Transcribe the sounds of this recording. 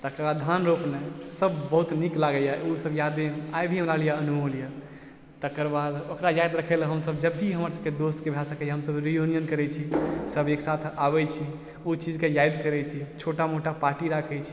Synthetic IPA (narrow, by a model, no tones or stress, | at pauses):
t̪əkəɾbad̪d̪ʱanɾopnɛsəbʱbəɦut̪niklaɡəjausəbjad̪eajbʱiɦəmɾalijaənuɦolijə | t̪əkəɾbad̪okɾajajd̪ɾəkʰɛləɦəmsəbd͡ʒəbːiɦəməɾsəbked̪ost̪kebʱasəkɛɦəmsəbɾijunijənkəɾɛt͡ʃʰisəbeksat̪ʰabɛt͡ʃʰi | ut͡ʃid͡ʒkejajd̪kəɾɛt͡ʃʰit͡ʃʰoʈamoʈapaɾʈiɾakʰɛt͡ʃʰi̥